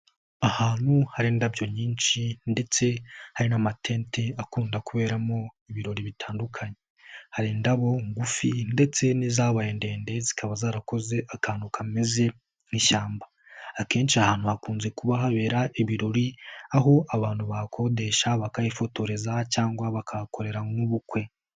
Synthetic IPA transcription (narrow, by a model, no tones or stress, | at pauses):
ahaːn̥huhaɾindabjo̞ɲiːnʃinde̞t͡se̞haɾinamatʰe̞ːntʰe̞akuːndakuβe̞ːɾamo̞iβiɾo̞ɾiβitʰaːndukʰaɲe | haɾindaβo̞ŋɡufinde̞t͡se̞nizaβajende̞ːnde̞zi̥kʰaβazaːɾako̞ze̞ʔakaːnukameze̞ | niʃaːmbaː | ke̞ːnʃiahaːnhuhakuːnze̞kuβaɦaβe̞ːɾaʔiβiɾo̞ɾiaɦo̞aβaːnhuβakʰo̞de̞ʃaβakajifo̞to̞ɾe̞zacaːŋɡwaβakʰakʰoɾe̞ɾauβukwe̞